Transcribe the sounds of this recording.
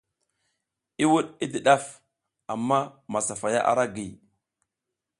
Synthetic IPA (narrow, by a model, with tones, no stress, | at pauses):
i˦wu˦ɗi˦di˨ɗa˦f | a˨mːa˦ma˨sa˨fa˨ja̰˦ʔa̰˨ɾa˦ɡi˨